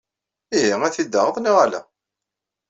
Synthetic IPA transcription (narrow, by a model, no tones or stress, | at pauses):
iɦiæθid̪ːəʁəðˤnoʁalæ̰